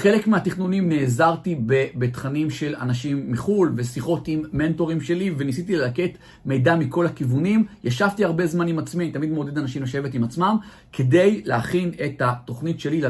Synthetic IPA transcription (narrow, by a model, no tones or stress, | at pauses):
χe̞le̞kmeatiχnunimneːzaʁtibebe̞t̪χanimʃe̞la̰naʃimːiχulve̞siχo̞timːe̞nto̞ʁimʃe̞live̞nisitilelake̞t | me̞jdamiko̞lakivunimjaʃavtiaʁbe̞zmanimat͡smianit̪amid̪mod̪e̞d̪anaʃimeʃevetimat͡smam | kʰe̞de̞jleaχine̞thato̞χnitʃe̞lil